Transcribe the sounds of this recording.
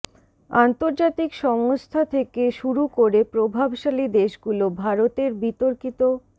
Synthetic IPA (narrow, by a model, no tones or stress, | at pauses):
ant̪oɾd͡ʑat̪ikʃɔŋost̪ʰat̪ʰekeʃuɾukoɾepɾobʱabʃalid̪eʃɡulobʱaɾot̪eɾbit̪oɾkit̪o